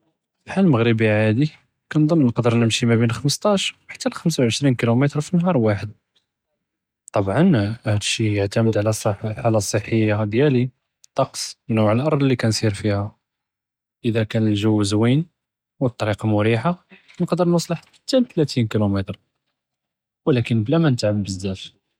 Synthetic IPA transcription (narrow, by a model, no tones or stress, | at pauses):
lħalməɣɾəbiʕʕad̪i | kænd̪ˤənːnəqd̪əɾˤnəmʃimæbinxəməst̪ˤɑʃwħḁt̪ːælxəms̬awʕəʃɾinkilumət̪ɾfinːɦɑɾˤwaħəd̪̚ | t̪ˤɑbʕɑnʔæhlʃijəʕt̪æməd̪ʕlæsˤħħalæsˤːəħːəjːad̪jæli | t̪ˤːɑqsˤnuʕəlʔɑɾˤdˤlːikænsˤiɾfihæ | ʔəd̪ækænəlʒəwːəzwin | wət̪ˤːɑɾiqɑmʊɾiħanəqd̪əɾˤnəsˤləħ | t̪ːænt̪læt̪inkilumət̪ɾ | wəlækənblæmænət̪ʕəmbəzːæt̪